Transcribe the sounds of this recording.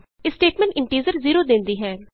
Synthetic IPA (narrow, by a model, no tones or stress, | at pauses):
ɪsʈeːʈmɛ̃ɳʈɪ̃ɳʈiːzəɾziːɾoːd̪ẽːnd̪iːɦɛː